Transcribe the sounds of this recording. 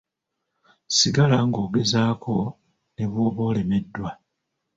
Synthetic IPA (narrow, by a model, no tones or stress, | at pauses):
siɡalaŋɡo̞ːɡe̞zaːko̞ | ne̞βo̞ːβo̞ːle̞me̞dːwa